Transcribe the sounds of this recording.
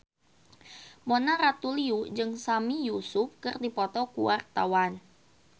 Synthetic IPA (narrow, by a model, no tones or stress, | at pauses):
monaɾat̪uliud͡ʒɨŋsamijusufkɨrdipɔt̪ɔkuwʔart̪awan